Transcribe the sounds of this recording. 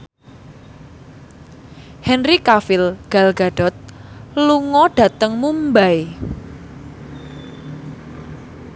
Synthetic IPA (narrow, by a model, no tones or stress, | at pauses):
hɛnrikafɪlɡ̥a̤lɡ̥a̤ɖ̥ɔ̤t̪̚luŋɔɖ̥ä̤t̪əŋmumbaj